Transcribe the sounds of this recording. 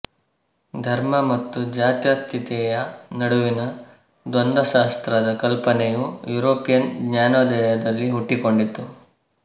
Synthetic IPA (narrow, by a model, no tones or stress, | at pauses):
d̪ʱɐɾmɐmɐt̪ːud͡ʒaːt̪jɐt̪jit̪ɛjɐnɐɽuʋinɐ | d̪ond̪ɐʃaːst̪ɾɐd̪ɐkɐlpɐnejujuːɾoːpijɐnɡɲaːnɐd̪ɐjɐd̪ɐlːiɦuʈːiko̞ɳɖit̪ːu